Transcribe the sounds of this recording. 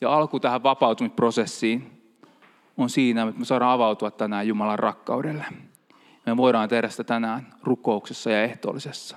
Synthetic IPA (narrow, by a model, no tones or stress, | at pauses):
jɑɑlkut̪æhæʋʋɑpɑut̪umisprosesːiːn | onsiːnæmut̪mesɑɾɑːɑʋɑut̪uɑt̪t̪ænæːjjumɑlɑrrɑkːɑ̰udelːe | ɑmeʋoiɾɑːnt̪ehɾæsit̪æt̪ænæːnrukouksesːɑjɑeht̪o̰ːlisesːɑ̥